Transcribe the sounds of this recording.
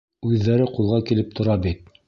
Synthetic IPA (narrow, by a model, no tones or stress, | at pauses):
ʉðːæɾɘqulˠʁɑkilɘp̚t̪ʰŏɾɑbit̪̚